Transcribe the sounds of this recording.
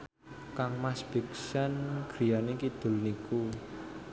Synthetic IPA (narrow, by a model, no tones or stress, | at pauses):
kaŋmasb̥i̤ksanɡ̥ɾi̤janikid̪̥ʊ̤lniku